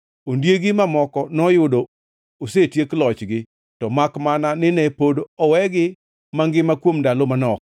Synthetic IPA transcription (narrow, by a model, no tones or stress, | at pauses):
ondjeɡɪmamɔkɔnɔjʊdo | osetjeklɔt͡ʃɡɪ | tɔmakmananɪnɛpodoɔwɛɡɪ | maŋɡɪmakwomndalomanɔk̚